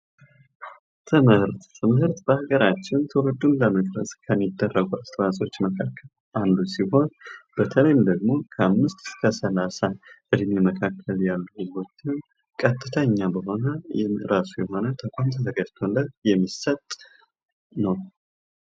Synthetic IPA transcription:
t̪ʰɨmɨɾt̪t̪ʰɨmhɨɾt̪bəhaɡəɾat͡ʃːɪnt̪ʰəwɨd̪unləməkʼɾə̰sʼkʰəmːid̪ːərːəɡuast̪ʰəwasʼo̞t͡ʃːməkʰakʰːəl | ʔand̪usiho̞nb̥ət̪ʰələjɪmd̪əɡmo̞kʰəamːɨst̪ɨ̥skʰəsəlasaʔɨd̪meməkʰakʰːəljalːuhɨzɡo̞t͡ʃːɪn | kʼət̪ʼːɨt̪ʰəɲːabəɦo̞nəjɛɾasujɛɦo̞nət̪ʰəkʷʼamt̪ʰət̪ʰəɡəd͡ʒt̪ʰolːətjɛmːisət̪ʼ | nəw

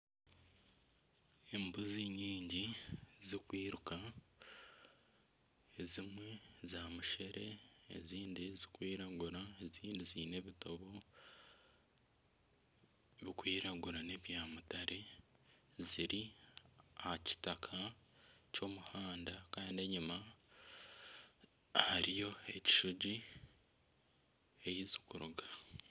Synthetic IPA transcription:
e̞mbuziɲiːɲɟizikwiːɾuka | ezimwe̞zaːmuʃeɾe̞ḛziːndizi̥kwiːɾaɡuɾae̞ziːndiziːne̞βito̞βo̞ | βikwiːɾaɡuɾane̞βjaːmutaɾʔe̞ | ziɾi | haci̥takʰaco̞ːmuhaːndakaːndeɲuma | haɾijo̞e̞ci̥ʃuɟi | ejizi̥kuɾuɡa

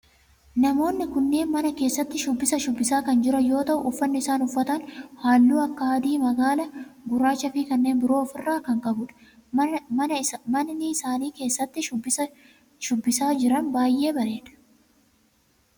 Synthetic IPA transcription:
nɐmo̞ːnːɪkʊnːe̞ːnmɐnɐke̞ːsːɐt̪ːɪʃʊbːɪsɐʃʊbːɪsaːkɐnd͡ʒɪɾɐjo̞ːt̪ɐʔʊʔʊfːɐnːɪɪsaːnʊfːɐt̪ɐnhaːlːuːɐkːɐɐːd̪iːmɐɡaːlɐɡʊɾaːt͡ʃːɐfɪkɐnːeːnbɪɾo̞ːfɪrːaːkɐŋkʼɐbʊᶑɐ̥ | mɐnːɪɪsaːniːke̞ːsːɐt̪ːɪʊbɪɐ | ʃʊbːɪsaːd͡ʒɪɾɐnbaːjːe̞ːbɐɾe̞ːᶑɐ̥

